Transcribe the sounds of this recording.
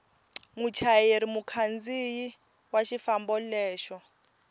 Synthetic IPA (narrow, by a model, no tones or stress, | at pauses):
mut͡ʃʰajeɾimukʰand͡ziji | waʃifambɔlɛːʃɔ